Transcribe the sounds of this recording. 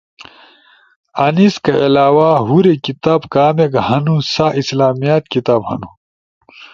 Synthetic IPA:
ɐniskɐelaːwaɦuɾekit̪aːbkaːmeɡɐhɐnusaʔislaːmijat̪kit̪aːbhɐ̰nu

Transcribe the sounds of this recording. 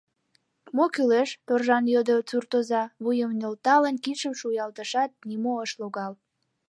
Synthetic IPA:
mokyleʃt̪orʒɑnjod̪ət͡surt̪ozɑβujəmnʲolt̪ɑlənkiʃəmʃujɑlt̪əʃɑt̪̚nimoəʃloɣɑl

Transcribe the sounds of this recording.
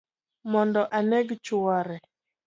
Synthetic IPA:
mɔndɔʔanɛɡt͡ʃʊaɾɛ

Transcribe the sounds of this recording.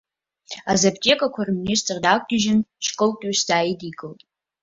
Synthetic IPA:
azabtʲʼekʼakʷʰarministʰʼrdakʷʼdɪʒɪnʃkʼɨltʼɥsd̥aːjidiɡʼɨltʼ

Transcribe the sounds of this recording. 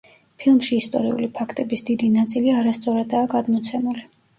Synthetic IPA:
pʰilˠmʃiːst̪ʼɔ̰ɾiṵlipʰakʰt̪ʼɛbisd̪id̪inat̪sʼiliaɾast̪sʼɔɾad̪aːɡad̪mɔt̪sʰɛmuli

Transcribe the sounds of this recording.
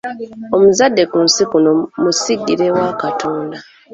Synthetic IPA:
o̞muzadːe̞kuːnsikuno̞musiɡːiɾe̞wakatʰo̞ːnda

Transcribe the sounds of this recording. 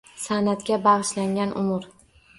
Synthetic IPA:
sanat̪kʲabaʁɨʃlaŋʲanʔʊmʊɾ

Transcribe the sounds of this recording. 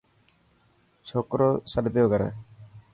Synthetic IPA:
t͡ʃʰoːkɾoːsəɗbjoːɡəɾɛ̰ː

